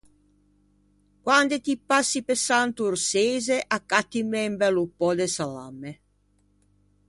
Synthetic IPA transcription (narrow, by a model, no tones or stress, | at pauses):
kwand̪et̪ipːasːipesant̪uɾseːzeʔakːat̪ːimɛmbɛlupːɔd̪esala̰mːe